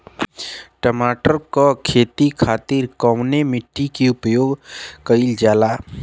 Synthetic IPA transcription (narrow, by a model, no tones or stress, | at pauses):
ʈəmaːʈəɾkokʰeːt̪ikʰaːt̪ɪɾkɔʋnemɪʈːikiʊpjoːɡkəɪld͡ʒaːlaː